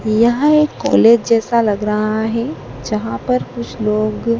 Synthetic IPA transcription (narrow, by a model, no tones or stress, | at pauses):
jɐɦãeːkːɔ̰ːleːd͡ʒd͡ʒɛːsalɐɡɾɐɦaɦɛd͡ʒɐɦãpɐɾkʊt͡ʃʰloːɡ